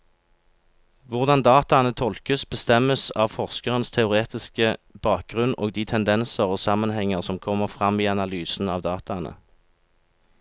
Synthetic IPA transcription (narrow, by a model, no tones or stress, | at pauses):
ʋʊʁd̪ɑnd̪ɑːt̪ɑnət̪ʰɔlkəsbəst̪ɛməsɑːʋfɔʁskəʁənst̪ʰɛʊʁeːt̪ɪskəb̥ɑːk̚ɡ̥ʁʉnʔo̰ːɡ̚d̪iːt̪ʰɛnd̪ɛnsəʁoːsɑmənhɛŋəʁsɔmkʰɔmːəʁfʁɑmiːɑnɑlyːsn̩ɑːʋd̪ɑːt̪ɑnə̰